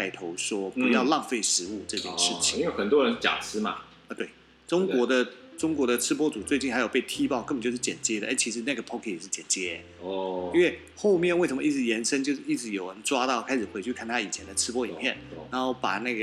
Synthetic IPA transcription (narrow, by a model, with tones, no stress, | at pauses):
a˥˩ɪt̪ʰo˧˥ʊʂwɔ˥pu˧˥jɑ˥˧ʊlɑ˥˧ŋfe˥˩ɪʂɻ̩˧˥u˥˧ʈ͡ʂɤ˥˧t͡ɕjɛ˥˧nʂɻ̩˥˩t͡ɕʰi̥˨˧˥jo˥xə˨˩nt̪wɔ˥ɻə˧˥nt͡ɕja̰˨˩t͡sʰɹ̩˥ma̰˨ | ə˧˩t̪we˥˩ɪ | ʈ͡ʂʊ˥ŋwɔ˧˥d̪ə˨ʈ͡ʂʊ˥ŋkwɔ˧˥ɾə˨ʈ͡ʂʰɻ̩˥p̬wɔ˥t͡su˨˩t͡swe˥˧ɪt͡ɕi˥˩na˧˥jo˨˩ʊpe˥˩ɪt̪ʰi˥pɑ˥˧ʊkə˥˩pə˨˩t͡ɕjo˥˧ʊʂ̩˥˩t͡ɕjɛ˨˩nt͡ɕjɛ˥d̪ə˨ʔa˥˩ɪt͡ɕʰi˧˥ʂɻ̩˧˥na˥˩ɡə˩pʰɔ˥kʰe˥˩jɛ˨˩ʂɻ̩˥˩t͡ɕjɛ˨˩nt͡ɕjɛ˥˧ | i˥nwe˥˧ɪ | xo˥˧ʊmjɛ˥˧nwe˥˩ʂ̬ə˧˥mə˧i˥˩ɻ̩˧˥jɛ˧˥nʂə˥ŋt͡ɕjo˥˧ʊʂɻ̩˥˧˩i˥˩ʈ͡ʂ̩˧˥jo˨˩ʊɻə˧˦nʈ͡ʂwa˥t̪ɑ˥˩ʊkʰa˥ɪʂɻ̩˨˩xwe˧˥ɪt͡ɕʰy˥˧kʰa˥˩nt̪ʰa˥˧i˨˩t͡ɕʰjɛ˧˥nd̪ə˨˧ʈ͡ʂʰɻ̩˥pwɔ˥i˨˩mʰjɛ˥˩nɻa˧˥nxo˥˩ʊpa̰˨˩na˥˩ɡə˩